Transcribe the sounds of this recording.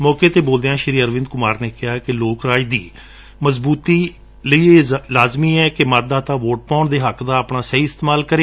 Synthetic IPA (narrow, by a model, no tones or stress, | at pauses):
mɔːkeːt̪eːboːld̪eːãːʃəɾiːəɾʋɪ̃nd̪̚kʊmaːɾneːkɪɦaːkɪloːkɾaːiːd̪ḭː | məzbuːt̪iː | ləiːeːlaːzmiːɛːkɪmat̪̚d̪aːt̪aːʋoːʈ̚pãːɳd̪eːɦəkd̪aːəpnaːsɛiːɪst̪eːmaːlkəɾeː